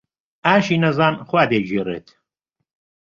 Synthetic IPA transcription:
aːʃiːnɐzaːnxwaːd̪eːd͡ʒiːrḛːt̪ʰ

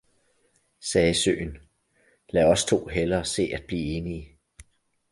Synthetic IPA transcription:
sɛːsø̰ːn | læɒ̽st͡sʰo̝̰ːɦelɐːse̝̰ːæd̥̚b̥liːe̝ːniə

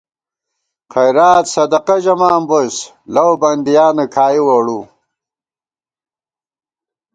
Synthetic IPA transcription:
qɐjɾaːt̪sɐd̪ɐqɐʑɐmaːmbos | lɐwbɐnd̪ijaːnɐkʰaːjiwɐɽu

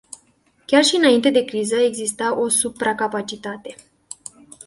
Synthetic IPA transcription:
kʲarʃiɨnaint̪e̞d̪e̞kɾizəe̞ɡzist̪aʔo̞supɾakapat͡ʃit̪at̪e̞

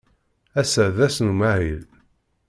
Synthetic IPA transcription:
æsæðæsnumaʕil

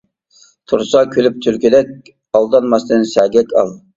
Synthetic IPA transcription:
t̪ʰuɾsɑkʲʰølyp̚t̪ʰylkʲid̪ɛk̚ʲ | ɑlˠd̪ɑnmɑst̪ɨnsæɡʲɛkʲʰɑ̰lˠ

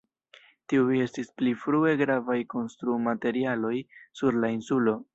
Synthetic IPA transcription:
tiue̞stisplifɾue̞ɡɾavajko̞nstɾumate̞ɾialo̞jsuɾlainsulo̞

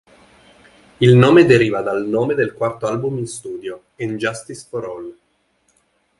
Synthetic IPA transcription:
ilnoːmed̪eɾiːvad̪alnoːmed̪elkwart̪oalbuminst̪uːd̪jo | end͡ʒast̪isfoɾɔl

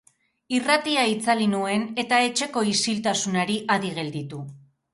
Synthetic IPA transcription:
irat̪iait͡salinue̞ne̞t̪ae̞t͡ʃe̞ko̞isilt̪asunaɾiʔaðiɣe̞ld̪it̪u

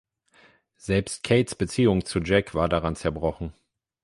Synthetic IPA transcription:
z̥ɛlpst̚kʰeɪtsb̥ət͡siːʊŋt͡sud͡ʒɛkv̥aːɐdaʁant͡sɛɐbʁɔχn̩

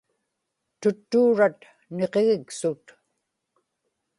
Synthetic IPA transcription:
t̪ʊt̪ːuːɻat̪ | ne̞qe̞ɣɪksʊt̪

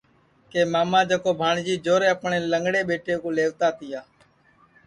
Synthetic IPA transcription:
keːmaːmãːd͡ʒəkoːbʱaːɳd͡ʒiːd͡ʒoːɾeːəpɳeːləŋɡɽeːɓeːʈeːkoːleːʋt̪aːt̪ɪjaː

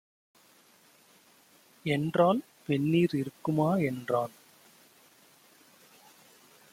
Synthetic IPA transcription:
ɛndraːl | pɛnːiːɾɪɾɯkːɯmaːɛndraːl

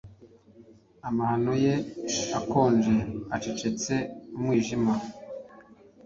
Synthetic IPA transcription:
amahanojeako̞ːnd͡ʒeat͡ʃet͡ʃe̞t͡se̞umŋwiːʒima

